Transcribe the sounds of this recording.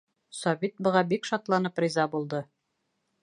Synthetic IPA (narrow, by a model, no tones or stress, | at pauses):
sɒβit̪̚bɤ̆ʁɑbikʃɒt̪lˠɑnɤprʲizɑbulˠd̪ɤ